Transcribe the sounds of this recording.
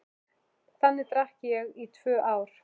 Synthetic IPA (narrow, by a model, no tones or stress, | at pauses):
θanːɪt̪ɾahcɪjɛɣit̪ʰv̥œːʔaːwɾ̥